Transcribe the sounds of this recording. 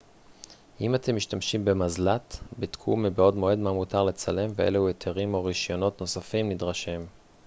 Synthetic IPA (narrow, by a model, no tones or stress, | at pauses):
ʔimatʰe̞mːiʃtamʃimbemazlatbitkʰumebeo̞dmo̞e̞dmamutaʁle̞t͡sale̞mveḛlehuetʰeʁimo̞ʁiʃjo̞no̞tno̞safimnidʁaʃem